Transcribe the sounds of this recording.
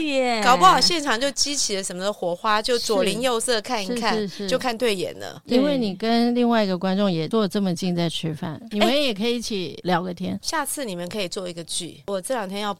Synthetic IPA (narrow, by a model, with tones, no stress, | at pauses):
ɛ˨˩kɑ˨ʊpə˧˥xɑ˨˩ʊɕjɛ˥˩nʈ͡ʂʰɑ˨˩ŋt͡ɕjo˥˩ʊt͡ɕi˥t͡ɕʰi˨lə˦ʂə˧˥nmə˧d̪ə˧xwɔ˧˥xwa˥t͡ɕjo˥˩ʊt͡swɔ˨˩li˧˥ŋjo˥˧ʊsɤ˥˧kʰa˥˩niʂkʰa˥˧ɻʂt͡ɕjo˥˧ʊkʰa˥˧nt̪we˥˩ɪjɛ̰˨˩˦nlə̰˦i˥nwe˥˩ɪni˨˩kə˦˥nli˥˧ŋwa˥˩ɪi˧˥ɡə˧kwa˥nʈ͡ʂʊ˥˩ŋjɛ˨˩t͡swɔ˥˧ʈ͡ʂə˥˩mə˩t͡ɕi˥˧nt͡sa˥˩ɪʈ͡ʂ̩ʰ˥fa̰˥˩ni˨˧mə˦njɛ˨˩kʰɤ˧˥i˧˥t͡ɕʰi˨˩ljɑ˧˥ʊɡə˧t̪ʰjɛ˥nɕja˥˧t͡sʰɹ̩˥˩ni˨˩mə˦nkʰɤ˧˥i˨˩t͡swɔ˥˩i˧˥ɡə˧t͡ɕy̰˥˩wɔ˨˩t͡sɤ˥˩ljɑ˨˩ŋt̪ʰjɛ˥njɑ˥˧˩ʊ